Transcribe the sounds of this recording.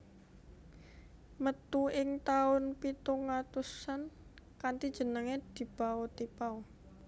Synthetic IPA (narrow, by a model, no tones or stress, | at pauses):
mət̪uɪŋt̪aʊnpit̪uŋat̪usan | kant̪id̥ʒ̥ə̤nəŋed̪̥i̤b̥awɔt̪ipaw